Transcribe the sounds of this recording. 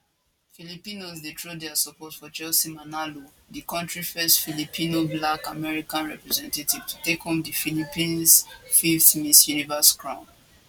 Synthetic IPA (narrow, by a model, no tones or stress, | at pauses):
filipĩnozdetʰɹodɛasɔpɔtfɔt͡ʃɛlsimanalo | dikɔ̃ntɹifɛstfilipʰĩnoblakamɛɹikãnɹɛpɹɛzɛ̃ntativ̥tu̥tekhõmdifilipĩnsfifθmisjunivɛskɹãʊ̃n